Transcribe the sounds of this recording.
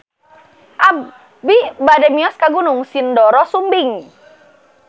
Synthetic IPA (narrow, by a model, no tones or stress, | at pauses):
ʔa | bibadɛmiɔskaɡunʊŋsindɔɾɔsumbɪŋ